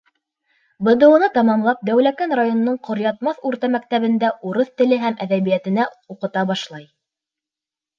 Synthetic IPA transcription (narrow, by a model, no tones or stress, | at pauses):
bɤ̆d̪ɤ̆wɤ̆nɑt̪ɑmɑmlˠɑp̚d̪æwlækænrajonŏnɤɴqŏɾjɑt̪̚mɑθʉɾt̪æmæk̚t̪æβɘ̆nd̪æʔuɾɤθt̪ɘ̆lɘɦæmʔæðæβijæt̪ɘ̆næ | uqɤ̆t̪ɑbɑʃlˠɑj